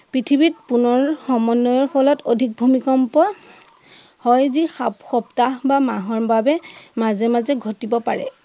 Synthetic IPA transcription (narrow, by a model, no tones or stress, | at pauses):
pɹitʰibit̚punɔɹxɔmɔnːɔjɔɹpʰɔlɔtodʱik̚bʱumikɔmpɔ | hɔjzixapxɔptaɦbamaɦɔɹbabɛmazɛmazɛɡʱɔtibɔpa̰ɹɛ̰